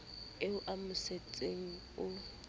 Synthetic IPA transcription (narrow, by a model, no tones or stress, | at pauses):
eʊʔamʊset͡sʼeŋ̩ | ʊ